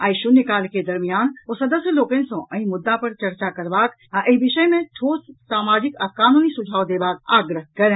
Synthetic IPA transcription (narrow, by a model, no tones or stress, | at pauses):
aːɪʃunɪkaːlked̪ɐɾmijaːnosɐd̪əsjəloːkẽnsõʔɐɦĩmʊd̪ːapɐɾt͡ʃɐɾt͡ʃakɐɾʋaːk | ʔɪbɪʃəjmẽt̪ʰoːt̪saːmaːd͡ʒɪkːkaːnuːnisʊd͡ʒʱaːʋd̪eːbaːk̚aːɡɾəɦkɐɾẽː